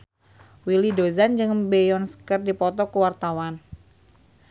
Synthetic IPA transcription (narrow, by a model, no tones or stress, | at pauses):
wilidozand͡ʒɨŋbejɔnskərdipɔt̪ɔkəwart̪awan